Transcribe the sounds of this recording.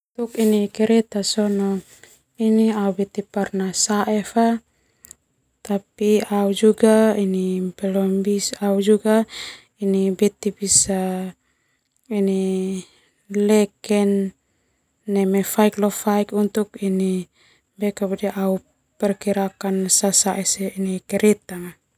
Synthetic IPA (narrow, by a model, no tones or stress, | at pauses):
ut̪ukinikɛɾɛt̪asɔnɔŋ | iniaubɛt̪iparnasaʔɛfa | t̪apiaud͡ʒuɡainimpɛlɔmbisaud͡ʒuɡa | inibɛt̪ibisa | ini | lɛkɛn | ɛmɛfaiklɔfaikunt̪ukini | bɛkabudiʔau | pɛrkiɾakansasaʔɛsɛinikɛɾɛt̪aŋa